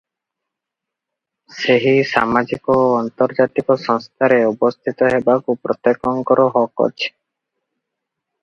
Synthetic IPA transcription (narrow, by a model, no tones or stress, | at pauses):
seɦisa̰mad͡ʒikɔɔnt̪ɔɾd͡ʒat̪ikɔsɔŋst̪ʰaɾeubɔst̪ʰit̪ɔɦebakupɾɔt̪ekɔŋkɔɾɔɦɔkɔ̰t͡ʃʰe̥